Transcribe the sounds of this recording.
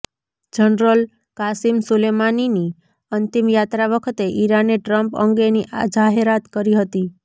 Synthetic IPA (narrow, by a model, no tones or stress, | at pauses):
d͡ʒənɾəl | kasimsulemanini | ənt̪imjat̪ɾaʋəkʰət̪eʔiɾaneʈɾəmpə̰ŋɡeniʔa̰d͡ʒaɦeɾat̪kəɾiɦət̪i